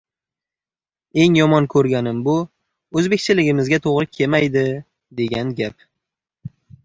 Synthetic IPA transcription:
e̞ŋjɒmɒnkʰɵɾɡʲanɪmbʊ | ɵzbe̞kʲt͡ʃʰɪlɪɡʲɪmɪzɡʲat̪ʰoʁɾɪkʲʰe̞majd̪ɪ | d̪e̞ɡʲanɡʲap

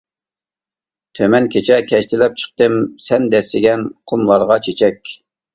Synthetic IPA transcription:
t̪ʰømɛnkʲʰet͡ʃʰɛkʲʰɛʃt̪ʰɪlɛp̚t͡ʃʰə̥q̚t̪ɨmsɛnd̪ɛsɪɡʲɛnqʰʊmlˠɑɾʁɑt͡ʃʰet͡ʃʰɛkʲ

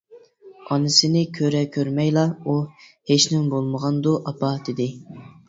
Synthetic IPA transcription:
ɑnɪsɪnɪkʲʰøɾɛkʲʰøɾmɛjlˠɑuheʃnɪmbolˠməʁɑnd̪uʔɑpʰɑd̪ɪd̪ɪ

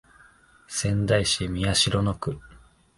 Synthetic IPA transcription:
sẽ̞nd̪aiɕimʲiaɕiɾo̞no̞kɯ̟

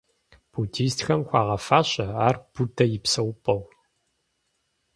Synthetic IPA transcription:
b̥ʰutʰiːstxɐmxʷɑːʁɐfaːɕɐaːrb̥utʰɐjɪpsɐwpʼɐw

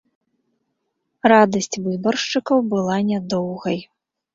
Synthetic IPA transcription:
rad̪ɐsʲt͡sʲvɨbɐrʂt͡ʂɨkɐwbɨlˠanʲad̪ɔwɣɐj

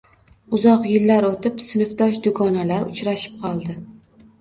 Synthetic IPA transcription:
ʊzɒqjɪlːaɾot̪ɪpsɪnɪft̪ɒʃd̪ʊɡɒnalaɾʊ̰t͡ʃɾaʃɪ̥p̚qʰɒlˠd̪ɪ

